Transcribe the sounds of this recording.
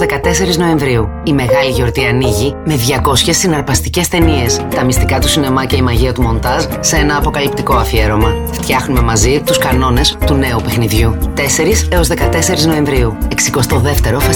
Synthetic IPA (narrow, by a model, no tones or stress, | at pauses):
ðekɐt̪e̞se̞ɾizno̞e̞ɱvɾiu | ime̞ɣɐliʝo̞ɾt̪iɐniʝime̞ðʝɐko̞sçe̞sːinɐɾpɐst̪ice̞st̪e̞nie̞st̪ɐmist̪ikɐt̪usine̞mɐceimɐʝiɐt̪umo̞nd̪ɐzːee̞nɐːpo̞kɐlip̚t̪iko̞ɐfie̞ɾo̞mɐ | ft̪çɐxnume̞mɐzit̪uskɐno̞ne̞st̪une̞upe̞xniðʝut̪e̞se̞ɾiseo̞zðe̞kɐt̪e̞se̞ɾizno̞e̞ɱvɾiue̞ksiko̞st̪o̞ðe̞ft̪e̞ɾo̞fɐ